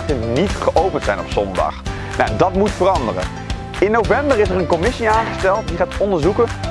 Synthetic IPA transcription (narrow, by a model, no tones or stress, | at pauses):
tənitχəʔowpəntsɛjnɔpsɔndɑ̰χ | na̰dɑtmutfərɑndərə̰ | ɪnːowvɛmbərɪsərənkɔmɪsiaːŋχəstɛlˠtdiχaːtɔndəɹzukə